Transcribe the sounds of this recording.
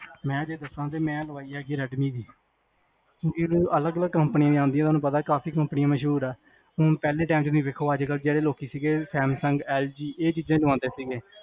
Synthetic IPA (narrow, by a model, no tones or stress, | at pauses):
mɛ̃ːd͡ʒeːd̪əsãːd̪eːmɛ̃ːləʋaːiːaːɡiːɾɛːɖmiːd̪iː | kõːkiːlũːələɡələɡkəmpənɪjãːd̪iːãːnd̪iãːoːnũːpət̪aːkaːpiːkəmpnɪjãːməʃɦuːɾɛː | ʊ̃pɛːleːʈaːmt͡ʃːnĩːʋeːkʰoːəd͡ʒkəld͡ʒeːɽeːloːkiːsiːɡeːsɛːmsəŋɡɛːld͡ʒiːʔeːt͡ʃiːzẽːlʋãːd̪eːsiːɡeː